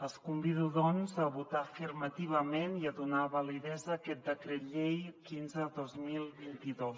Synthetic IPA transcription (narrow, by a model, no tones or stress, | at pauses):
əskumbiðuðɔnzəβut̪afirmət̪iβəmeniəðunaβəliðɛzəːkɛt̪̚d̪əkɾɛt̪ʎejkinzəðozmilˠβint̪iðos